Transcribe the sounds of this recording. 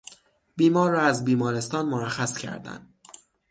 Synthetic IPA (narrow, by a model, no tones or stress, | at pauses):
biːmɒːɾːɒːæzbiːmɒːɾe̞st̪ɒːnmoɾæxæscʰæ̰ɾd̪æ̰nd̪